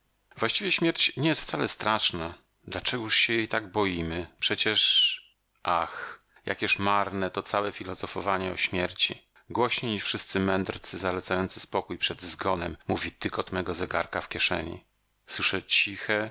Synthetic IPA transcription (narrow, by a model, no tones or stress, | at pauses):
vwaɕt͡ɕivʲjɛɕmʲjɛɾt͡ɕɲɛjɛst̪ft̪salɛst̪ɾaʂna | d̪lat͡ʂɛɡuʂɕɛjɛjt̪aɡbɔjimɘpʂɛt͡ɕɛʂ | ʔax | ja̰kjɛʂmaɾnɛt̪ɔt̪sawɛfʲilɔzɔfɔvaɲɛɔ̰ɕmʲjɛɾt͡ɕḭ | ɡwɔɕɲeɲiʂfʂɘst̪sɘmɛnd̪rt̪sɘzalɛt̪sajɔnt̪sɨ̥spɔkujpʂɛd̪zɡɔnɛmːuvʲit̪ɘkɔt̪mɛɡɔzɛɡa̰ɾkafkʲjɛʂɛ̰ɲḭ | swɘʂɛt͡ɕixɛ